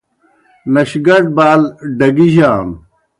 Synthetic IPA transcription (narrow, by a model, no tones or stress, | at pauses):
nɐɕɡɐɾ̚baːlɖɐɡiʑaːn